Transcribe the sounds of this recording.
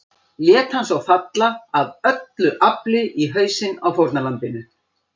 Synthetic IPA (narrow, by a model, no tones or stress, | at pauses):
ljɛːt̪hansawfat̪laːðœt̪lʏʔaplɪʔiɦœːɥsɪnawfowɾt̪nalant̪ɪnʏ